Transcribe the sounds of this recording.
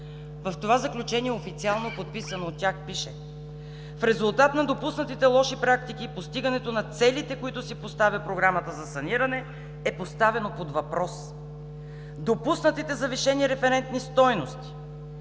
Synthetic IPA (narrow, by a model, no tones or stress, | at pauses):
vɐft̪ovazɐklʲut͡ʃɛniɛofit̪sialˠnopot̪̚pisɐnoːt̪ːʲjaxpiʃɛ | fɾɛzulˠt̪at̪nɐd̪opusnət̪it̪ɛlˠɔʃipɾak̚t̪ikipost̪iɡɐnɛt̪onɐt̪sɛlit̪ɛkoit̪ʊsipost̪avʲɐpɾoɡɾamət̪əzɐsɐniɾɐnɛ | ɛpost̪avɛnopod̪vɐpɾɔs | d̪opusnət̪it̪ɛzɐviʃɛniɾɛfɛɾɛnt̪nist̪ɔjnost̪i̥